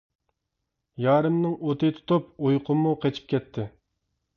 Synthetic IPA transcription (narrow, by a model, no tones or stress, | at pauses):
jɑːɾɨmnɨŋot̪ɨt̪ʰu̥t̪upojqʰʊmːuqʰet͡ʃʰi̥p̚kʲʰɛt̪ʰːɪ